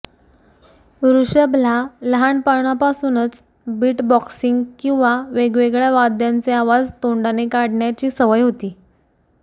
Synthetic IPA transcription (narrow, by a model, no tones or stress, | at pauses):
ɾuɕəblaləɦaɳpaɳ̃apasuːnət͡s | biːʈbɔksiŋɡkĩw̃ʋaʋeɡʋeɡɭjaʋad̪jant͡seaʋad͡zt̪oɳɖanekaɽɳjat͡ɕiːsəʋəjɦot̪iː